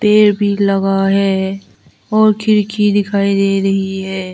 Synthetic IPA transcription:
t̪eːɾbʱilɐɡaɦɛː | ɔːɾkʰɪɾkʰid̪ɪkʰaːid̪eːɾɐɦiɦɛː

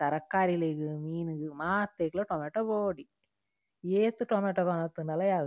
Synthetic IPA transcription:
t̪ɐɾɐkːaːɾilekɯmiːnɯɡɯmaːt̪ːekːloʈoːmeːʈːɐpoːɽi | eːt̪ːɯʈoːmeːʈːɐkonɐt̪ːɯnɐlɐjaːɣ

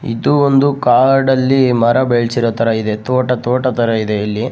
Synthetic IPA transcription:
ḭd̪uond̪ukaːɾɖɐlːimɐɾɐbeɭsiɾoːt̪ɐɾɐid̪et̪oːʈɐt̪oːʈɐt̪ɐɾɐid̪e̞ɐlːi

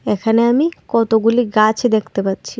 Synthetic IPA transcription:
ekʰaneamikɔt̪oɡuliɡat͡ɕʰed̪ekʰt̪epatːɕʰi

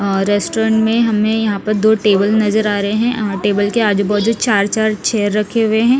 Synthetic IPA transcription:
ɾɛːsʈoɾə̃ɳʈmẽɦɐmːẽjɐɦãpɐɾd̪oːʈeːbəlnɐzəɾaːɾɐɦeɦɛ̃ʈeːbəlkeaːd͡ʒbɐɦt̪d͡ʒud̪t͡ʃaːɾt͡ʃaːɾt͡ʃʰɛːəɾːɐkʰːeɦʊeɦɛ̃ː

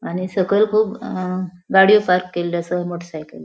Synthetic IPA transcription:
añisəɡəlkʰuːp | ɡaɽijopaɾkːelːəsəmoʈʰəsajkə̰l

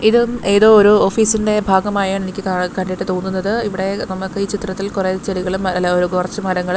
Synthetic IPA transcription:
iðɨme̞ːðo̞ːoɾuo̞ːfiːsinde̞bʱaːɡɐmaːjaːɳe̞nikʲːɨakɐɳɖiʈːɨt̪o̞ːnːunːɐðɨiʋiɽe̞nɐmːɐkːɨiːt͡ɕit̪rɐt̪ːilkureːt͡ɕɐɾiɣɐɭumɐoɾukurɐt͡ɕːumɐɾɐŋːɐɭum

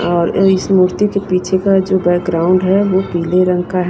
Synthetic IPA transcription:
ɔːɾɪsmuːɾt̪ikepiːt͡ʃʰekad͡ʒoːbɛːkɡɾaːʊ̃ɳɖɦɛʋopiːleɾə̃ŋɡkaɦɛ

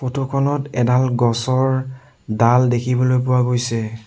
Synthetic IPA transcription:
potokʰɔnɔtɛdalɡɔsɔɹ | daldekʰibɔlojp̬ʊwaɡojsɛ

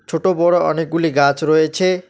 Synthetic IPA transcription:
t͡ʃʰoʈobɔɽɔɔnek̚ɡuliɡãt͡ʃɾɔet͡ʃʰe

